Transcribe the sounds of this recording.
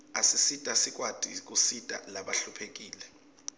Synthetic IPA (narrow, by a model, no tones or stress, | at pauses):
asisitʼasik̬ʼwad̥ʱik̬ʼusitʼa̰laɓaɬupʰek̬iːlɛ